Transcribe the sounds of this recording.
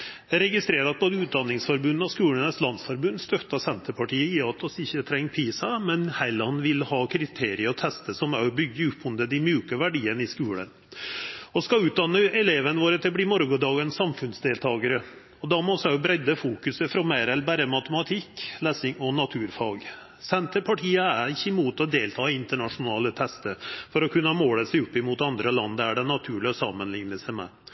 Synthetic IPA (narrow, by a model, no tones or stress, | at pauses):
æɾɛɡɪst̪ɾeːɾɑt̪̚bʰoːd̪əʉːd̪ɑnːɪŋsfɔɾbʉnːɑʋskʉːlənəslɑnsfɔɾbʉnːst̪œt̪ːɑsɛnt̪əpʰɑʈiːəiːɑːt̪ɔsɪçːət̪ʰɾɛŋːpʰiːsɑmɛnhæɪlɑnʋɪlhɑːkʰɾɪt̪ʰeːɾɪəɾɔt̪ʰɛst̪əsɔmæɾbʏɡːəʉpʰːʊnd̪əd̪ɪmjʉːkəʋæɖiːənəɪskʉːlə̰n | ɔskɑʉːt̪̚d̪ɑnːəɛleːʋənʋoːɾət̪ʰɪlbliːmɔɾɡɔd̪ɑːɡənsɑmfʉnsd̪eːlt̪ʰɑːɡəɾə | ɔd̪ɑmɔsæʊbɾɛd̪ːəfuːkʉsəfɾɑmeɾɛlbæːɾəmɑt̪əmɑt̪ʰɪkleːsɪŋɔnɑt̪ʰʉːɾfɑːɡ | sɛnt̪ʰəpʰɑʈʰiːəæɾɪçːəmuːt̪ɔd̪eːlt̪ʰɑːɪnt̪əɳɑʂʊnɑːlət̪ʰɛst̪əɾfɔɾɔkʰʉnːmoːləsæɪʉpːɪmuːt̪ɑnd̪ɾəlɑnd̪əæɖɛnɑt̪ʰʉːɭɪɔsɑmːənlɪŋnəsæɪmɛ̰